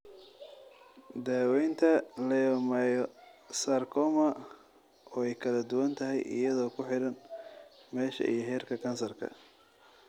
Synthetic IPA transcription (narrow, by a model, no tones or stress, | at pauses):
d̪aːwɛjnt̪ʰɐlɛjɔmɐjɔsarkʰɔmɐ | ɔːɛjkʰɐlɐd̪ʊwɐnt̪ʰɐɦɛ̰jʔɪ̰jɐðɔːkʰʊħɪɾɐn | mɛːʃɐ̰ʔḭjɞɦɛːrkʰɐkʰɐnsɐrkʰɐ̰